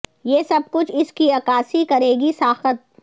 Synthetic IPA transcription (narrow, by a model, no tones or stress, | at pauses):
jeːsɐb̚kʊt͡ʃʰɪskiɐkaːsikɐɾeːɡisaːxət̪̚